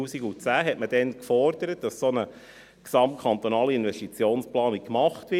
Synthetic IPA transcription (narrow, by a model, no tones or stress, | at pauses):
uːsiɡut͡sæːɦɛtməd̥ɛnkfɔrd̥̪əɾət̚d̥ɑssonə | ksɑmt̚kʰɑnt̪onɑːliinvɛstit͡sjoːnsplɑːnik̚kːmɑχtvɪ